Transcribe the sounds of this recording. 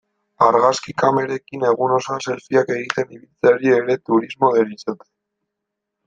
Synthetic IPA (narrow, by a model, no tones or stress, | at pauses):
aɾɣaskikame̞ɾe̞kine̞ɣ̞uno̞sanse̞lfiake̞ɣit̪e̞niβilt͡saɾie̞ɾe̞t̪uɾizmo̞ðeɾisot̪e̥